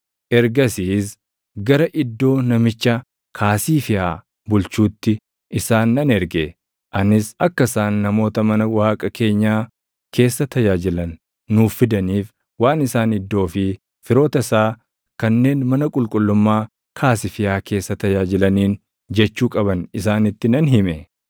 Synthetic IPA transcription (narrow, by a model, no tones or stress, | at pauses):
ʔɛɾɡɐsiːs̬ | ɡɐɾɐʔɪd̪ːo̞ːnɐmɪt͡ʃːɐ | kʰaːsiːfɪjaː | bʊlt͡ʃuːt̪ːɪ | ʔɪsaːnːɐnɛɾɡe | ʔɐnɪsɐkːɐɪsaːnːɐmo̞ːt̪ɐmɐnɐwaːkʼɐkʰe̞ːɲːaː | kʰe̞ːsːɐt̪ʰɐjaːd͡ʒɪlɐnː | uːfːɪd̪ɐniːf | waːnɪsaːnɪd̪ːo̞ːfɪ | fɪɾo̞ːt̪ɐsaː | kɐnːe̞ːnmɐnɐkʼʊlkʼʊlːʊmːaː | kʰaːsɪfɪjaːke̞ːsːɐt̪ɐjaːd͡ʒɪlɐniːn | d͡ʒɛt͡ʃːuːkʼɐbɐnɪsaːnɪt̪ːɪnɐnɦɪmɛ